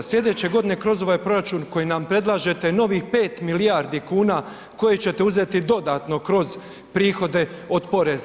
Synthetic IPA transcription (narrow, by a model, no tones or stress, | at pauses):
sljʲe̞d̪e̞t͡ɕe̞ɡo̞d̪ine̞kɾo̞zo̞ʋaːjpɾo̞ɾat͡ʃuːnko̞jinampɾe̞d̪lˠaːʒe̞t̪eno̞ʋixpe̞ːt̪milijaːɾd̪ikuːnaː | ko̞jet͡ɕe̞t̪euze̞t̪id̪o̞d̪aːt̪no̞kɾo̞z | pɾiːxo̞d̪e̞o̞d̪po̞ɾez